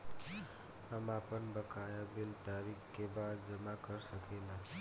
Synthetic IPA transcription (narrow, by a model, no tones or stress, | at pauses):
əmapənbəkajabilt̪aɾikːebad̪d͡ʒəmakəɾsəkenə